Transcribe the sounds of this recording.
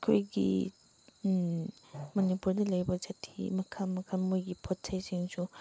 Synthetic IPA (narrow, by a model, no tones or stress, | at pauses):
kʰojɡḭ | mɐnipuɾdɐlɐjbɐd͡ʒɐtʰḭmɐkʰɐmɐkʰɐmojɡipʰot̚sʰɐjsiŋsu